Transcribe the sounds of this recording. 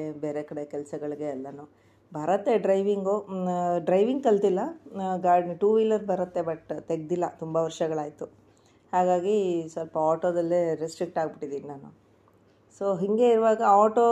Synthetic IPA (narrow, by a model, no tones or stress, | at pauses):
ebe̞ːɾekɐɽekɛlsɐɡɐɭiɡeɐlːɐnu | bʱɐɾɐt̪ːe̞ɖɾɐjʋiŋɡoɖɾɐjʋiŋɡ̚kɐlt̪ilːɐɡaːɾɖniʈuːʋiːlɐdbʱɐɾɐt̪ːe̞bɐʈt̪eɡ̚d̪ilːɐt̪umbɐʋɐɾʂɐɡɐɭaːjt̪u | haːɡaːɡisʋɐlpɐaːʈoːd̪ɐlːeɾesʈɾik̚ʈaːɡ̚biʈːid̪iːninaːnu | soːɦiŋɡe̞iɾuʋaːɡɐaːʈoː